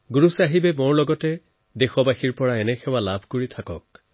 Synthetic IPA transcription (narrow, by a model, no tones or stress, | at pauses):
ɡuɹusaɦibɛmoɹlɔɡɔtɛ | dexɔbaxiɹpɔɹaɛnɛxʰɛwalabʱkoɹit̪ʰakɔ̰k̚